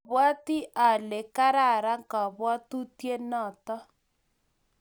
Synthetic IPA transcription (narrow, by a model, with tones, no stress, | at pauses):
βwa˦ti˦ʔa˨le˨ka˦ɾa˦˨ɾa˦ŋka˨βwa˦tu˦tje˦nɔ˦˨tɔ˦